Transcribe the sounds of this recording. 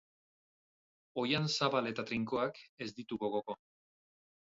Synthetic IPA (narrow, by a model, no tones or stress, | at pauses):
o̞jansaβale̞t̪at̪ɾiŋko̞ake̞zd̪it̪uɣo̞ɣo̞ko̞